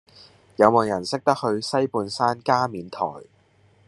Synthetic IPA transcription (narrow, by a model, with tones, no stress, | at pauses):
jɐ˨˧wmo˨˩wjɐ˨˩nsɪ˥k̚t̪ɐ˥k̚hɵ˧ɥsɐ˥jpuː˨˧nsaː˥nkaː˥miː˨˧nt̪ʰɔ̰ː˨˩j